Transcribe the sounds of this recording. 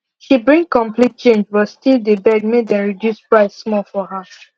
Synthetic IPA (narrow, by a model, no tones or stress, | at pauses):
ʃibɹĩŋkɔ̃mplit̚t͡ʃẽnd͡ʒwɔstildebɛɡ̚medɛ̃nɹidjuspɹaɪssmɔlfɔɦa